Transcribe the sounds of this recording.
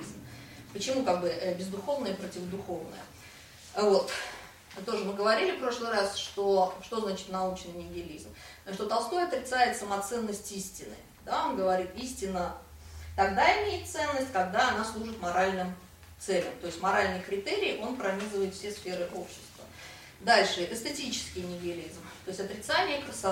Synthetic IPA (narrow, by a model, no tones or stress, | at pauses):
zm | pət͡ɕɪmukaɡ̚bɨəbʲɪzd̪ʊxo̞vnəjəpɾətʲɪvəd̪ʊxo̞vnə̰jə̰ | vo̞t̪ | t̪o̞ʐɨmɨɡəvɐɾʲilʲɪpɾo̞ʂlˠɨɾasʂt̪o̞ʂt̪o̞znat͡ɕɪ̥t̪nɐut͡ɕnɨjnʲɪɡʲɪlʲizm | ʂt̪ot̪ɐlˠst̪o̞jɐt̪ɾʲɪt̪sajɪt̪səmɐt̪sɛnːəsʲtʲisʲtʲɪnɨ̰ | d̪aonɡəvɐɾʲit̪isʲtʲɪnːə | t̪ɐɡd̪aɪmʲejɪt̪t̪sɛnːəsʲtʲkɐɡd̪aɐnaslˠuʐɨt̪mɐɾalʲnɨm | t̪sɛlʲəmt̪o̞jɪsʲtʲmɐɾalʲnɨjkɾʲɪt̪eɾʲɪːʔo̞npɾɐmʲizɨvəjɪt̪fsʲesfʲe̞ɾɨʔopɕːɪ̥st̪və | d̪alʲʂɨɛʔ̪ɨst̪ətʲit͡ɕɪ̥skʲɪjnʲɪɡʲɪlʲizmt̪o̞ɪsʲtʲɐt̪ɾʲɪt̪sanʲɪəkəsa